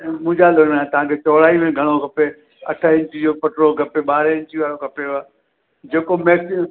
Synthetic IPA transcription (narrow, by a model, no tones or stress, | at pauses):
mʊ̃ɦɪ̃ɲd͡ʑaloːmat̪ɐʋ̤ãkʰet͡ɕɔːɽ̤aːimẽɡʱɐɽ̃okɐpe | ɐʈʰəɪ̃ɲt͡ɕid͡ʑopɐʈɾoɡɐpeɓaːɾɪ̃ɲt͡ɕiʋaːɾokɐpeaː | d͡ʑeːkomeːsɪ